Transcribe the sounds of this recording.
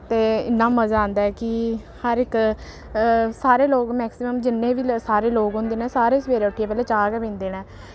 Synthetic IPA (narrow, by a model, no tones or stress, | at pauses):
t̪eːɪ̰nːãːməzaːãːnd̪aːɛːkɪ | həɾɪk | saːɾeːloːɡmɛːksɪməmd͡ʒɪnːẽːʋiːsaːɾeːloːɡɦõːnd̪eːnɛːsaːɾeːsʋeːɾeːʊʈʰːijeːpɛːleːt͡ʃaːɡɛːbĩːnd̪eːnɛː